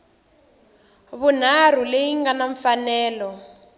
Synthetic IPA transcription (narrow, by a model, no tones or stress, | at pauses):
βun̤ar̤uleiŋɡanaɱfanɛːlɔ